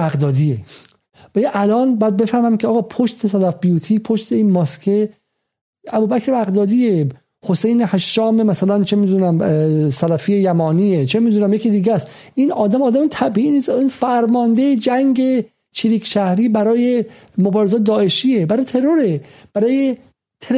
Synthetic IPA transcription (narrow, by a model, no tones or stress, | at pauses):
æɣd̪ɒːd̪ie | bæiʔælɒːnbæd̪̚be̞fæhmæmkʲʰeːɣɒːpʰoʃt̪ʰesælæfbijuːt̪ʰiːpʰoʃt̪ʰeiːnmɒskʰe | ʔæbuːbækʰɾeæɣd̪ɒːd̪ie | hosejnehæʃːɒːmemæsælænt͡ʃʰemiːd̪uːnæmsælæfijejæmɒːniːet͡ʃʰemiːd̪uːnæmjekiːd̪iːɡæsʔiːnɒːd̪æmɒːd̪æmt̪ʰæbiʔiniːsiːnfæɾmɒːnd̪ejed͡ʒæŋɟe̞ | t͡ʃʰiɾiːkʰʃæhɾiːbæɾɒːje | mobɒːɾezɒːt̪d̪ɒːʔe̞ʃiːebæɾɒːjet̪ʰe̞ɾo̞ɾeb̥æɾɒːje | t̪ʰe